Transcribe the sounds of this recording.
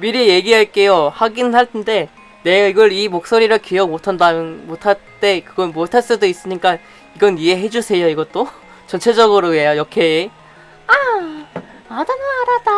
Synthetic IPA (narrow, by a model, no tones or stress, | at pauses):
miɾije̞ɡiɦaɭk͈e̞johaɡinɯnɦhaɭtʰende̞ | ne̞ɡaiɡʌɾimok̚s͈oɾiɾɯɭkijʌmotʰandajnmotʰat͈e̞kɯɡʌnmotʰaɭs͈ɯdois͈ɯɲik͈a | iɡʌnie̞ɦe̞d͡ʑusʰe̞joiɡʌt͈o | t͡ɕʌnt͡ɕʰe̞d͡ʑʌɡɯɾoejojʌkʰe | a | adɯnɯnaɾad̥a